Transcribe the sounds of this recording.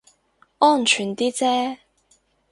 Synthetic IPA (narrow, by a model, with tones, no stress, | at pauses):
ʔɔː˥˩nt͡ʃʰyː˨˩nt̪iː˥t͡sɛː˥